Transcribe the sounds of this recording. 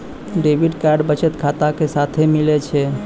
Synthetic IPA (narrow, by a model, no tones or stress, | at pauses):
ɖebiɖkaɾɖbət͡ʃət̪kʰat̪akesat̪ʰemilɛt͡ʃʰɛ